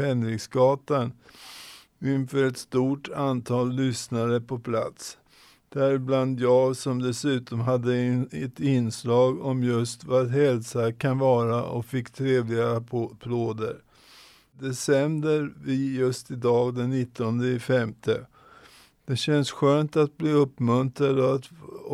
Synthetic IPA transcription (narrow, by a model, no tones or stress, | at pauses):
ɛnɾɪɡsɡɑːt̪an | ɪnfœːɾɛt̪st̪uːʈʰant̪ʰɑːlːʏsnaɾəpʰɔpʰla̰t̪s | d̪̥æɾbland̪jɑːɡsɔmd̪ɛsʉ̟ːt̪ɔmɦad̪ːəɛt̪ɪnslɑːɡɔmjɵst̪vat̪ɦɛlsakʰanvɑːɾaʔɔ̰fɪkːt̪ʰɾeːvlɪɡapʰloːd̪əɾ | d̪ɛsɛmbəɾvɪjɵst̪ɪd̪ɑːɡd̪ɛnːɪt̪ːɔnd̪əɪfɛmt̪ʰə | d̪̥ɛɕɛnsɧøːnt̪at̪̚bliːɵpːmɵnt̪ɾad̪ɔat̪